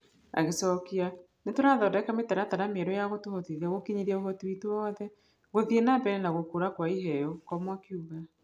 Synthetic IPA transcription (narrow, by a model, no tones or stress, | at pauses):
a̰ɣesɔkia | netoɾaðɔdɛkametaɾataɾameɛɾɔjaɣotohoteðaɣokiɲiɾiɛoɦɔtuitoɔðɛ | ɣoðienabɛɾɛnaɣokoɾakwaiɦɛjɔkɔmwakiuɣa